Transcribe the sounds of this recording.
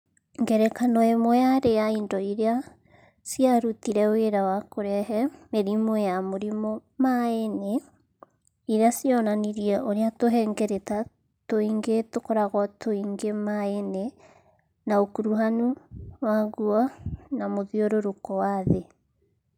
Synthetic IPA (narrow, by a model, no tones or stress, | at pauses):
ŋɡɛɾɛkanɔemwɔjaɾejaindɔiɾea | siaɾutiɾɛweɾawakoɾɛɦɛmeɾimɔjamoɾimɔmaene | iɾeasiɔnaniɾiɛʔoɾeatoɦɛːŋɡɛɾeta | toiŋɡetokɔɾaɣɔtʰoiŋɡemaene | naokuɾuɦanuwaɡuɔnamoðioɾoɾokɔwaðe